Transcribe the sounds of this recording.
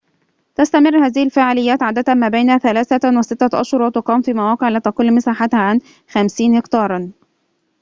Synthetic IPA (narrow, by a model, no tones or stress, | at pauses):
t̪ast̪æmɪrːhaːðɪhɪlfaːʕalɪjːæːt̪ʕaːd̪æt̪æmæːbajnhæθælaːθæwɪsɪt̪ːaʔɑ̰ʃhʊɾˤwɑt̪ʊqɑːmfiːmawɑːqeʕliːt̪ɑqʊlːmɪsaːħat̪haʕan | xæmsiːnhɪkt̪ɑːɾˤ